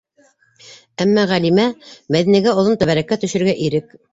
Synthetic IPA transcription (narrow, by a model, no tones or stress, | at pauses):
æmːæʁælimæmæðinæɡæŏlˠont̪ɵ̆βæɾækːæt̪ɵ̆ʃɘ̆ɾɡæʔiɾɘk̚